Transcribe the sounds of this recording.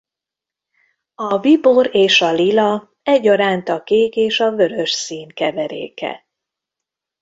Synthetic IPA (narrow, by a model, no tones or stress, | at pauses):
ɒbiboɾeːʃɒlilɒ | ɛɟːɒɾaːnt̪ɒkeːkeːʃɒvø̞ɾø̞ʃsiːnkɛvɛɾḛːkɛ̰